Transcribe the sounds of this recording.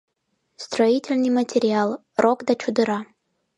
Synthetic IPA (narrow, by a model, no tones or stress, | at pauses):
st̪roitʲɪlʲnɨjmətʲeɾʲɪalˠ | rokd̪at͡ʃud̪ɨɾa